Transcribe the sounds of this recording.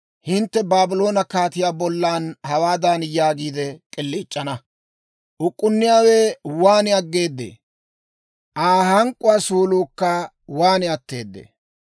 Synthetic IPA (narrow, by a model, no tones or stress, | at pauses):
hɪnt̪ːɛbaːbɪlo̞ːnɐkaːt̪ɪjaːbɔlːaːnhɐwaːd̪aːnjaːɡiːd̪ɛkʼɪlːiːt͡ʃʼːɐnɐ | ʔʊkʼːʊnːɪjaːwɛwaːnɪɐɡːe̞ːd̪ːḛː | ʔaːhɐŋkʼʊwaːsuːluːkːɐ | waːnɪɐt̪ːe̞ːd̪ːḛː